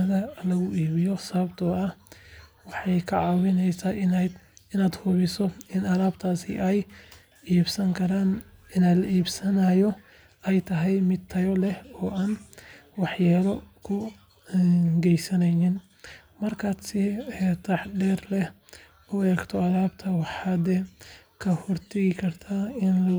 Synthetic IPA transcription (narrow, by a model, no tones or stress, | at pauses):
ɐɣɐlɐɣʊʔiːβɪjɔsɐβɐbt̪ʰɔːɐhwɑħɑjkʰɐʕɑːwɪnɛjsaː | ɪnaːd̪hʊβɪsɔɪnɐlaːbt̪ʰaːsɪ̰ʔɛj | iːbsɐŋkʰɐɾaːnɪnaːlɐʔiːbsɐnajɔ | ɛjt̪ʰɐɦɛjmɪd̪̚t̪ʰɐjɔlɛhɔːʔaːnwɑħjaːlɔkʰʊ | ɡɛjsɐnɛjnɪn | mɐrkʰaːd̪sɪt̪ʰɑħɖɛːrlɛ | ʊɛːɡt̪ʰɔɐlaːbt̪ʰɐwɑħad̪ɛ | kʰɐhɔrt̪ʰɐɣɪkʰɐrt̪ʰaːɪnlɐ